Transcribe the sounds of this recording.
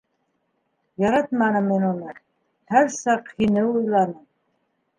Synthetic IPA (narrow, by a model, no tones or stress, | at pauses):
jɑɾɑt̪mɑnɤmːinunɤ | hæɾsɑqhinɘujlˠɑnɤm